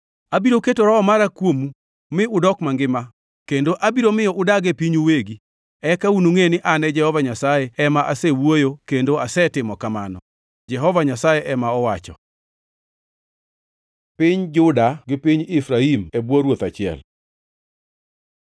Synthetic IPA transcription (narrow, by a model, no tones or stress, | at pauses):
abiɾoketoɾɔɔmaɾakwomu | mɪʊdɔkmaŋɡɪma | kendoʔabiɾomɪjɔʔʊdaɡepiɲuweɡi | ɛkaunuŋenɪʔanɛd͡ʒɛhɔvaɲasajeɛmaʔasewwojokendoasɛtɪmɔkamanɔ | d͡ʒɛɦɔvaɲasajɛʔɛmaɔwat͡ʃɔ̰ | pɪɲd͡ʒʊdaɡɪpiɲɪfɾaimebwoɾwot̪at͡ʃɪɛ̰l